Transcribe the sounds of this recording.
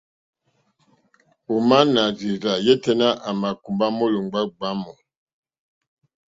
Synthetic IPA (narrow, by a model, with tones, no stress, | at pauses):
u˨ma˦na˨zi˨za˨jɛ˦tɛ˦na˦ʔa˨ma˨ku˨mba˦mo˦lo˨ŋɡ͡ba˦ɡ͡ba˦mɔ˨